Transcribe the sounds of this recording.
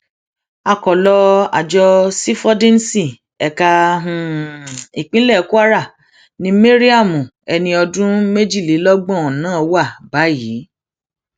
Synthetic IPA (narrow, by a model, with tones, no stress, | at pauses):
a˧˨kɔ˨lɔ˧a˨d͡ʒɔ˧si˦fɔ˦dĩ˦n˦si˦˨ | ɛ˨ka˧ɦũ˨ | i˨k͡pĩ˦lɛ˦˨˦ku˦a˦ɾa˦˨ | nĩ˦me˦ɾi˦a˦˨mũ˨ | ɛ˧nĩ˧ɔ˧dũ˦me˦d͡ʒi˦˨li˨˦lɔ˦ɡ͡bɔ̃˦˨ɔ̃˨nãː˦˧wa˦˨ba˨˦jiː˨˦